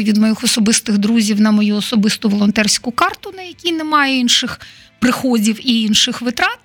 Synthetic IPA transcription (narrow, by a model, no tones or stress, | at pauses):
ʋʲid̪mɔjixɔsɔbɪst̪ɪɣd̪ɾuzʲiwnɐmɔjuɔsɔbɪst̪ʊʋɔlˠɔnt̪ɛrsʲkʊkɑrt̪ʊnɐjɐkʲinɛmɑjɛinʃɪx | pɾɪxɔdʲiwiinʃɪxʋɪt̪ɾɑt̪